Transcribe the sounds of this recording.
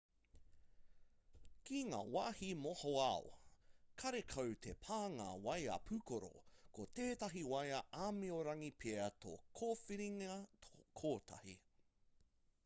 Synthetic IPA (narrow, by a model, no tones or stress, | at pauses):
kiŋa̰ːwaːhimohoao̰kʰɐɾekʰɐwtʰepʰaːŋa̰wɐja̰pʰʉkoɾo̰kʰot̪eːtɐɦiwɐjɐʔaːmeoɾɐŋipʰeɐtʰo̰kʰoːfiɾiŋɐokʰoːtʰɐ̰hḭ